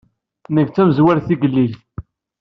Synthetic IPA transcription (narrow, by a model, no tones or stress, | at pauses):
nəɡt͡sːæmzwæɾθiɡəlːil